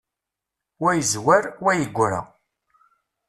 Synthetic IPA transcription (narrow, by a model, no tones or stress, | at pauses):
wæjəzwæɾwæjəɡʷːɾa̰